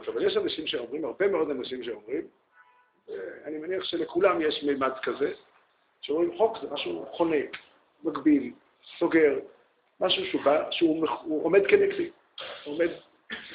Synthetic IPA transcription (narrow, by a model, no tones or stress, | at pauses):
aʃavaljeʃanaʃimʃeo̞mʁimhaʁbemeo̞d̪anaʃimʃeomʁim | veanimaniaχʃelekulamjeʃmejmad̪kaze | ʃeomʁimχokzemaʃuχonek | maɡbil | so̞ɡe̞ʁ | maʃuʃubaʃeumeuʔome̞d̪kenekt̪i | ome̞d̪